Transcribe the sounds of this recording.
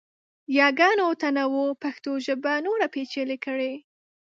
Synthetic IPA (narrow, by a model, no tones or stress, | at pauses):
jɑɡɑnot̪anawopaxt̪oʒəbanoɾapet͡ʃelɪkəɽe